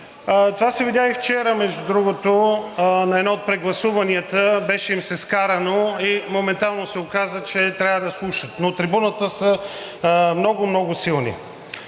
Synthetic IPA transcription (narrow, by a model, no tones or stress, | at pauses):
t̪ovasɛvidʲjaift͡ʃɛɾəmɛʒd̪ud̪ɾuɡot̪onɐɛd̪nɔot̪̚pɾɛɡlˠɐsuvɐniət̪əbɛʃɛimsɛskaɾɐnoimomɛnt̪alˠnosɛokazət͡ʃɛt̪ɾʲavəd̪ɐslˠuʃət̪not̪ɾibunət̪əsə | mnɔɡomnɔɡʊsilˠnḭ